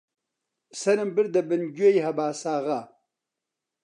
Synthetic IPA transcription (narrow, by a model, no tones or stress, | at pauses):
sɐnɨmbɨɾd̪ɐbɨnɡejɦɐbaːsaːʁa